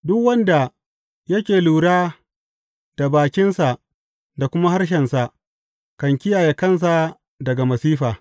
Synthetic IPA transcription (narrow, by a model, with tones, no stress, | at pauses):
dʊ˦kwɐ˦nda˨ | jɐ˦kʲeː˨luː˨ɽaː˦ | d̥a˨baː˨kʲɪ˦nsa˨ʔ | da˨kʷʊ˦ma˦ha˦rʃ̬ɛ˨nsa˨ʔ | kɐ˨ŋkʲɪ˦jaː˨je˨kɐ˦˨ns̬a˨ | dɐ˨ɡa˨mɐ˨siː˦ɸaː˨